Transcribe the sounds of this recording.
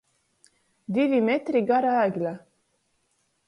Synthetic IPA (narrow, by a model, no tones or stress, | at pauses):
d̪ivimet̪ɾiɡɑɾaːɡʲlʲa